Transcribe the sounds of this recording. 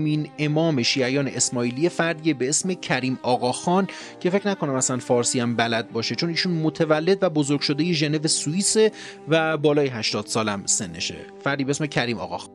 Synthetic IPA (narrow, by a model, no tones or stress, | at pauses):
mine̞mɒːme̞ʃiːæjɒːne̞̰ʔesmɒːiːlije̞fæɾd̪iebe̞esme̞cʰæɾiːmɒːɣɒːxɒːn | cʰe̞fe̞cʰnækʰonæmæsænfɒːɾsiːæmbælæd̪̚bɒːʃe̞t͡ʃʰo̞niːʃunmot̪ʰevælːe̞d̪væbozoɾɡ̥ʲʃod̪ejeʒe̞ne̞ve̞suiːse̞ | væbɒːlɒːjeɦæʃt̪ɒːd̪̥sɒːlæmse̞nːḛʃḛ | fæɾd̪ibeesme̞cʰæɾiːmɒ̰ːɣɒ̰ːxɒ